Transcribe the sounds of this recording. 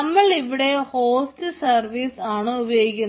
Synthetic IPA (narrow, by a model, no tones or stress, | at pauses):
ɐmːɐɭiʋiɽe̞ho̞ːstɨsɐrʋiːsaːɳɨubɐjoːɡikʲːun